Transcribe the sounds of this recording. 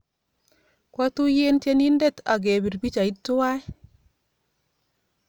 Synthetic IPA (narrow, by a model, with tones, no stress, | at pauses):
kwa˦tu˦je˦nte˦ni˦nde˦˨ta̰˨ɡe˨bi˨ɾbi˦t͡ʃa˨i˦tːu˦wa˦j